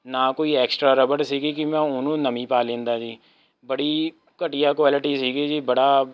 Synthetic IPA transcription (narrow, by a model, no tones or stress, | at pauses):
naːkoːiːɛːksʈɾaːɾəbəʈsiːɡiːkimɛ̃ːʊnõːnəmĩːpaːlẽːnd̪aːd͡ʒiː | bəɽiː | kəʈɪjaːkwaːlɪʈiːsiːɡiːd͡ʒiːbəɽaː